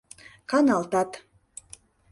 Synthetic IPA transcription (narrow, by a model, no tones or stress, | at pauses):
kɑnɑlt̪ɑt̪